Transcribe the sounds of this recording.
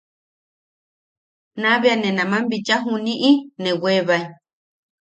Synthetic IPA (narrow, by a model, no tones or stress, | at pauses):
nãβeanẽnãmãmbit͡ʃaɦunĩʔinẽweβaj